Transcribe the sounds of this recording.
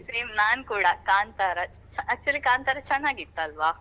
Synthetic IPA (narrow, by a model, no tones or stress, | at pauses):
seːmnaːnkuːɽakaːnt̪aɾɐ | ɐtːt͡ʃuɐlikaːnt̪aɾɐt͡ʃɐnːaːɡit̪ːaːlʋaː